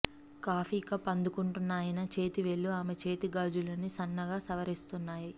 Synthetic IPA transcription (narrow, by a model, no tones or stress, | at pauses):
kaːfiːkɐpɐnd̪ukuɳʈunːaːjinɐt͡ʃe̞ːt̪iʋe̞lːuaːmet͡ʃe̞ːt̪iɡaːd͡ʒulɐnisɐnːɐɡaːsɐʋɐɾist̪unːaːji